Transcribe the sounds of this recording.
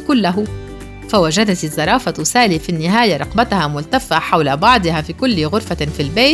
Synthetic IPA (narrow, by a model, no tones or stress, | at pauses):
kʊlːaɦʊ | fawad͡ʒad̪at̪ɪzˤːɑɾˤɑːfat̪ʊsaːliːfinːɪɦaːjaɾˤɑqbat̪hamʊlt̪afaħawlabɑʕd̪ˤɨhafiːkʊlːɪɣʊɾfafilbeːt̪